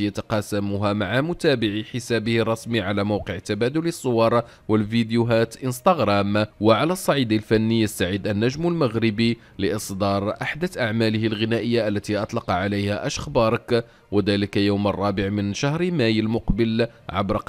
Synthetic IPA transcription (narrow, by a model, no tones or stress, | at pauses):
ijat̪ɑqɑsamʊɦamaʕamʊt̪æːbɪʕiħɪsæːbəhɑrˤːɑsmiʕalæmawqəʕt̪ːabæːd̪ʊləsˤːʊwɑɾˤ | wəlfid̪juɦæːt̪ʔənst̪ɑɣɾɑmwəʕalæsˤːɑʕid̪alfænːijəst̪aʕid̪ʔænːæʒməlmaɣɾɪbi | ləʔɨsˤd̪ɑːɾˤʔaħd̪aʔaʕmæːləhɪlɣɪnæːʔəjːaʔælːæt̪iʔɑt̪ˤlɑqʕalejhæʔæʃxbɑɾˤɑk | wəd̪æːləkajawmɑ̰rˤːɑːbəʕmənʃahɾmæjəlmʊqbəlʕa̰bɾɑq